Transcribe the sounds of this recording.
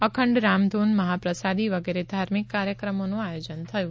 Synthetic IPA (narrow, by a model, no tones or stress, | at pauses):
əkʰəɳɖɾamd̪ʱunməɦapɾəsad̪iʋəɡeɾed̪ʱaɾmikːaɾjəkɾəmonũajod͡ʒənt̪ʰəjũ